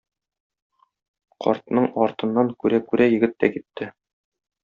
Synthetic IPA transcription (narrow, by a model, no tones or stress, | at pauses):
qʰɒ̰ɾt̪nɤɴɒɾt̪ɤ̆nːɑŋkʉɾækʉɾʔæjɘ̆ɡɘ̆t̪ːækit̪ʰːɘ